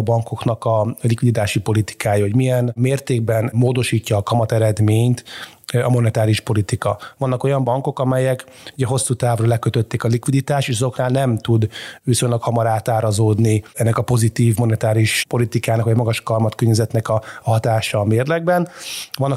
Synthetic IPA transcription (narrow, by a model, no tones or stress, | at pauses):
bɒŋko̞knɒkɒlikʋid̪it̪aːʃipo̞lit̪i̥kʰaːjɒho̞ɟmijɛnmeːrt̪eːɡ̚bɛnmoːd̪o̞ʃiːcːɒːkɒmɒt̪ɛɾɛd̪meːɲt̪ɒmo̞nɛt̪aːɾiuʃpo̞lit̪ikɒvɒnːɒko̞jɒmbɒŋko̞kɒmɛjɛkuɟɛɦo̞sːuːt̪aːvrɒlɛkøt̪øt̪ːɛkɒlikʋid̪it̪aːʃeːʃɒzo̞knaːlnɛmt̪ud̪ʋiso̞ɲlɒkhɒmɒɾaːt̪aːɾɒzoːd̪niɛnːɛkɒpo̞zit̪iːvmo̞nɛt̪aːɾiʃpo̞lit̪ikaːnɒkʋɒjmɒɡɒʃkɒrmɒt̪køɲːɛzɛt̪nɛkɒɦɒt̪aːʃɒːmeːrlɛɡbɛnvɒnːɒ